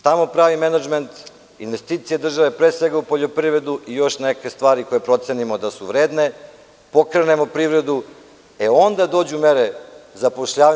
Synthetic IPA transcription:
t̪amo̞pɾaːʋimenad͡ʒment̪ | inʋe̞st̪iːt̪sije̞d̪r̩ʒaʋe̞pɾesʋe̞ɡaupo̞ʎo̞pɾiːvɾe̞d̪uʔijo̞ʃnekest̪ʋaːɾiko̞jepɾo̞t̪senimo̞d̪asuʋɾeːd̪ne̞ | po̞kɾenemo̞pɾivɾe̞d̪u | eo̞nd̪ad̪o̞ːd͡ʑumeɾezapoʃʎaːʋa

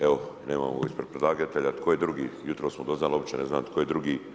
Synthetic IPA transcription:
eoneːma̰ːmo̰ispɾed̪pɾed̪lˠaːɡat̪eʎat̪kʰojed̪ɾuɡiːjut̪ɾoːsmod̪o̞znaːliobit͡ʃene̞znaːmt̪kʰojed̪ɾuɡiː

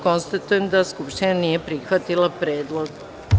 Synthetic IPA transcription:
ko̞nst̪at̪ujemd̪askupʃt̪inanije̞pɾixʋat̪ilˠapɾeːd̪lˠoɡ

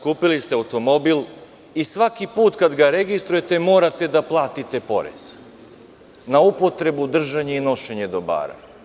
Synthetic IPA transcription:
kuːpilist̪eaut̪o̞mo̞bil | isʋakipuːt̪kad̪ɡaɾe̞ɡist̪ɾuje̞t̪e̞mo̞ːɾat̪e̞d̪aplˠaːt̪it̪e̞po̞̰ɾe̞̰z̥ | naupo̞t̪ɾe̞bud̪r̩ʒaɲe̞ino̞ʃe̞ɲe̞d̪o̞ba̰ːɾa̰

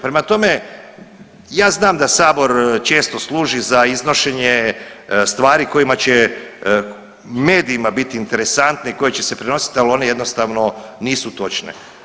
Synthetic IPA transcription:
pɾe̞mat̪o̞me̞ | jaːznaːmd̪asaːbo̞ɾt͡ʃe̞ːst̪o̞slˠuːʒizaizno̞ʃe̞ɲest̪ʋaːɾiko̞jimat͡ɕe̞ | me̞ːd̪iimabit̪iːnt̪e̞ɾe̞sant̪neiko̞jet͡ɕese̞pɾeno̞si̥t̪ialo̞ne̞je̞d̪no̞st̪aʋno̞niːsut̪o̞t͡ʃnḛ

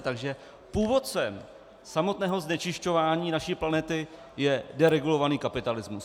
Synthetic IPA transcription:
t̪aɡʒɛ | puːvo̞t̪t͡sɛm | samo̞t̪nɛːɦo̞znɛt͡ʃɪʃco̞vaːɲiːnaʃiːplanɛt̪ɪ | jɛdɛɾɛɡulo̞vaniːkapɪt̪alɪzmus

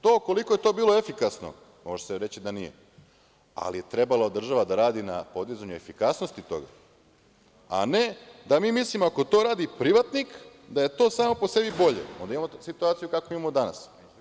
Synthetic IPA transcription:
t̪oːko̞likojet̪o̞ːbiːlo̞efikasno̰ | mo̞ʒeseɾe̞t͡ɕid̪anijḛ | a̰lije̞t̪ɾe̞balˠaod̪ːɾr̩ʒaʋad̪aɾaːd̪ina̰po̞d̪izaɲue̞fikasnost̪it̪o̞̰ɡa̰ | a̰ne̞d̪amiːmislimoako̞t̪o̞ɾaːd̪ipɾiʋat̪nikd̪aje̞t̪o̞ːsaːmo̞pose̞bibo̞ʎḛond̪aimamosit̪uaːt̪sijukakoimamod̪ana̰s

